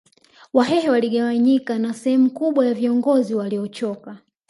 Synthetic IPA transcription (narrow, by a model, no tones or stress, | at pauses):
waɦɛhɛwaliɠawaɲikanasɛhɛmukuɓwajaviɔŋɡɔziwaliɔt͡ʃɔka